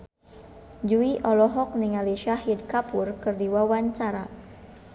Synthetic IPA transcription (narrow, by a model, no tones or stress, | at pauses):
d͡ʒuiʔɔlɔɦɔk̚niŋaliʃaɦidkapʊrkərdiwawaɲt͡ʃaɾa̰